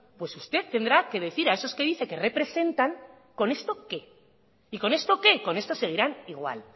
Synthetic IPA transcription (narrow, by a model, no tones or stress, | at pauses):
pwe̞sust̪e̞t̪ːe̞nd̪ɾake̞ð̞e̞θiɾae̞so̞ske̞ð̞iθe̞kere̞pɾe̞se̞nt̪aŋ | ko̞ne̞st̪o̞ke̞ | iko̞ne̞st̪o̞ke̞ko̞ne̞st̪o̞se̞ɣ̞iɾaniɣ̞wa̰l